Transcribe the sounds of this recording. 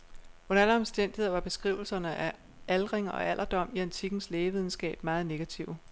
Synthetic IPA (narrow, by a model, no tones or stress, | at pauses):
onænɒ̽msd̥en̰d̥ihḛʋɑ̈b̥e̝sɡ̥ʁiʊ̰l̩sɐnəʔæ | ælʁeŋ̰ɐɒ̽ʔæl̰ʔɐd̥ɒ̽m̰iænt͡sʰiɡ̥n̩sleːʋið̞ˠn̩sɡ̥ɛ̰ːb̥mɑ̈ːð̞̩ˠne̝ɡ̥æt͡sʰiʊ